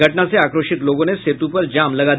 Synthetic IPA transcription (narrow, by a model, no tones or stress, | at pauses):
əʈnat͡seakɾoʃit̪loɡõneset̪upəɾd͡ʑamləɡad̪